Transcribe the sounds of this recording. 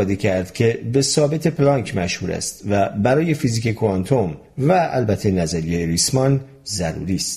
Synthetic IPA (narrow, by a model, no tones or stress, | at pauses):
ɒːd̪ecʰæɾd̪kʲʰe̞be̞sɒːbe̞t̪ʰe̞plɒŋkʰmæʃhuːɾæ̰st̪væbæɾɒːje̞fiziːkekʰoɑnt̪ʰom | vææ̰lbæt̪ʰːe̞næzæɾijejeɾismɒn | zæɾṵɾiːst̪